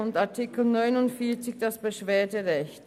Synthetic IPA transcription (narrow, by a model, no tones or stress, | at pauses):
ʊntaɐtʰɪkl̩nɔʏnʊntfiːɐt͡sɪçd̥asb̥əʃv̥eːɐdəʁɛçt